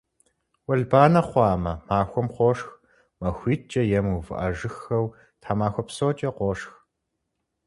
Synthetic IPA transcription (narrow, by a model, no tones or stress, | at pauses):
wɐɮbaːnɐχʷɑːmɐmaːxʷɔmqʷɔʂx | mɐxʷiːt͡ʃʼɐjɛmuvɨ̰ʔɐʒɨxɐw | tʰaːmaːxʷɔpsoːt͡ʃʼɐqʷɔʂx